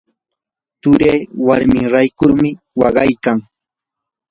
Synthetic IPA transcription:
t̪ʊɾeːwaɾmɪŋɾajkʊɾmɪ | wɑɢɑjkaŋ

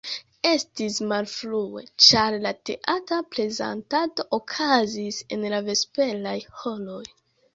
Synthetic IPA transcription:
e̞stismalflue̞̰t͡ʃaɾlate̞̰ʔataple̞za̰ntato̞ʔokʰazise̞̰nlave̞spe̞lajho̞lo̞j

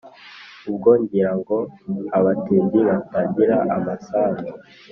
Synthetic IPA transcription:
ub̚ɡoːɲɟiɾaŋɡoaβatiːɲɟiɾabaɟiɾaʔamasaːzi

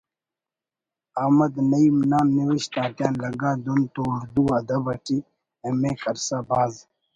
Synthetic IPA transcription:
aːmɐd̪nɐimnaːnːiwiɕt̪aːt̪jaːnlɐɡaːd̪unt̪oːɾd̪uɐd̪ɐbɐʈi | ẽmẽːkɐɾsabaːz

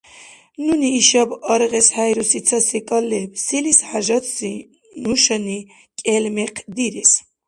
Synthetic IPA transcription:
nuniːʃabɑɾʁɛshajɾusit̪sʰasikʼalːɛbsilishaʒat̪si | nuʃani | kʼɛlmɛqʰd̪iɾɛs

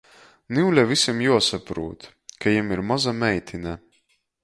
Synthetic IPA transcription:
niwlʲavisʲimjuɔsapɾuːt̪ | kajimiɾmazamɛjt̪ʰʲina

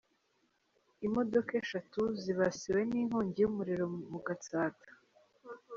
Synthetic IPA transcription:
imo̞do̞keʃatuziβasiwe̞niːŋhoːɲɟijumuɾiɾo̞muɡataːtḁ

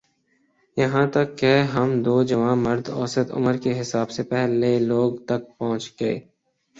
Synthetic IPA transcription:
jɐɦãt̪ɐkːeɦɐmd̪oːd͡ʒɐʋãːmɐɾd̪ɔ̰ːsət̪ʊ̰məɾkeɦɪsaːbsepɛɦleloːɡt̪ɐk̚pɐɦʊ̃t͡ʃɡɐḛː

